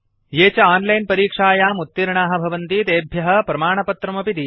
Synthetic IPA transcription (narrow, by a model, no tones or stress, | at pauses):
jeːt͡ʃɐaːnlɐjnpɐɾiːkʂaːjaːmut̪ːiɾɳaːɦɐ̆bʱɐʋɐnt̪it̪eːbʱjɐɦɐ̆pɾɐmaːɳɐpɐt̪ɾɐmɐpit̪i